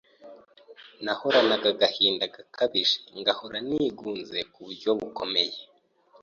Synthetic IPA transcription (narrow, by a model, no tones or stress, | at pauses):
nahoɾanaɡaɡahiːndaɡakʰaβiʒeŋɡahoɾaniːɡuːnzekuβuɾɟo̞βuko̞̰me̞je